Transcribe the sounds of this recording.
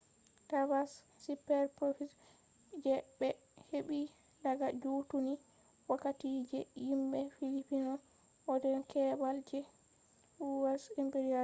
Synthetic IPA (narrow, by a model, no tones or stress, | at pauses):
tavasː | ipɛɾpɾofis | d͡ʒɛbɛ | heɓi | daɡad͡ʒutuni | wakːatid͡ʒɛjimɓɛfilipinɔ | ʔɔdɛnkɛbald͡ʒɛ | uwasimpeɾia